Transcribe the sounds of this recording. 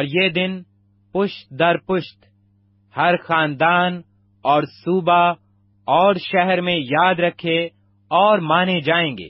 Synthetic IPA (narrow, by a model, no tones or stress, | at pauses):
ɔːɾjeːd̪ɪn | pʊʃt̪d̪ɐɾpʊʃt̪ | hɐɾxaːnd̪aːn | ɔːɾsuːba | ɔːɾʃɛɦɛɾmẽjaːd̪ɾɐkʰe | ɔːɾmaːned͡ʒaːẽːŋɡḛː